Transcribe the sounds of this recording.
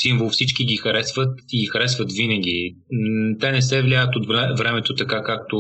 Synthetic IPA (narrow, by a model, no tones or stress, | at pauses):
siɱvəlˠfsit͡ʃkiɡixɐɾɛsvət̪iɡixɐɾɛsvət̪vinəɡʲi | t̪ɛnɛsɛvlʲajət̪ot̪vɛvɾɛmɛt̪ot̪ɐkakak̚t̪o